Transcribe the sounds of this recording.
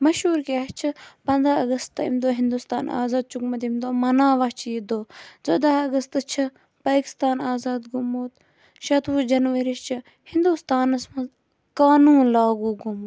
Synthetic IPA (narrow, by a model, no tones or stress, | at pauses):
mɐʃɦuːɾkiaːt͡ʃʰɐpɐnd̪ɾaːɐɡɐst̪ḭmd̪oːɦind̪ust̪a̰ːna̰ːzaːd̪̚t͡ʃukmɐt̪imd̪oːmɐnaːʋat͡ʃʰijid̪oːzod̪aːɐɡɐst̪ɨt͡ʃʰɐ | paːki̥st̪aːnaːzaːd̪ɡumoːt̪ | ʃɐt̪ʋuːd͡ʒɐnʋɐɾist͡ʃʰɨ | hĩnd̪ust̪aːnɐsmɐ | kaːnuːnlaːɡuːɡumoː